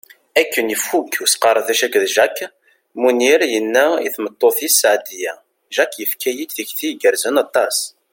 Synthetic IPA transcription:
ækːənjəfːukːusqɑɾˤðæʃækðʒækː | muniɾjənːæḭθmət̪ˤːoθjisːʕd̪ijæ | ʒækːjəfkʰæjid̪θiçθiɡəɾzənɑt̪ˤːɑs

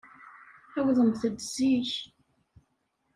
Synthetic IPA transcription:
æwðəmθəd̪ziç

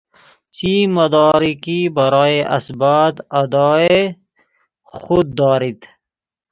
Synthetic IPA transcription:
t͡ʃimɐd̪ɑːɾikibɐɾɑːjeʔɐsbaːt̪ɐd̪ɑːe | xud̪ːɑːɾit̪

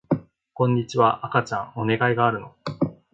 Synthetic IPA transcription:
kõ̞ɲ̟ːit͡ɕiβaʔakat͡ɕã̰ŋo̞ne̞ɡaiɡaːɾɯ̟no̞

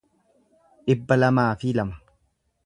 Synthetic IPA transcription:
ʔɪbːɐlɐmaːfɪlɐmɐ̥

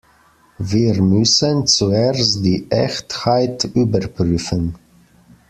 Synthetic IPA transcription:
viːʁmʏsənt͡suest̚d̥iːʔɛçthaɪtʔyːbəʁpʁyːfən

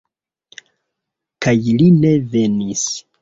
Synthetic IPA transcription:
kajline̞ve̞nis

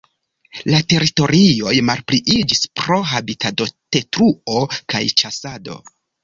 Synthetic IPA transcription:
late̞ɾito̞ɾio̞jmalpɾiʔid͡ʒispɾo̞ɦabitato̞te̞tɾuo̞ka̰jt͡ʃasado̞̰

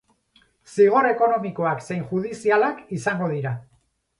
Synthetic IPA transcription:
siɣ̞o̞re̞ko̞no̞miko̞akse̞jnʝuð̞isialakisaŋɡo̞ð̞iɾa

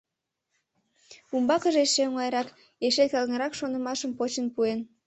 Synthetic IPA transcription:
umbɑkəʒeʃeoŋɑjɾɑk | eʃelkɑlŋəɾɑkʃonəmɑʃəmpot͡ɕənpuen

